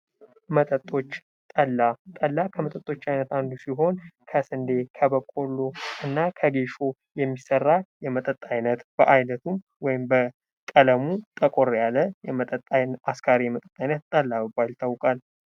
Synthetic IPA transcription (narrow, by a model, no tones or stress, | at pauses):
mət̪ʼət̪ʼːo̞t͡ʃː | t̪ʼəlːat̪ʼəlːakʰəmət̪ʼət̪ʼːo̞t͡ʃːajnət̪and̪usiɦo̞nkʰəsɨnd̪e̞kʰəβəkʼolːoɨnːakʰəɡeʃo̞ | jɛmːisərːajɛmət̪ʼət̪ʼːajnət̪b̥əʔajnət̪ʰum | wɔjɪmbə | kʼələmut̪ʼəkʼo̞ɾjalːəjɛmət̪ʼət̪ʼajaskʰaɾemət̪ʼə̥t̪ʼajnət̪̚t̪ʼəlːaβɨbalt̪ʰawkʼal